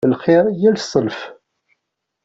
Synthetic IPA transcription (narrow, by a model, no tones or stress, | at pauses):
əlχiɾjælsˤəlf